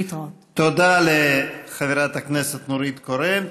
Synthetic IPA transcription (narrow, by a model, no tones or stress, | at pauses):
t̪ | t̪od̪aleχaviɾat̪akneset̪nuɾit̪koɾem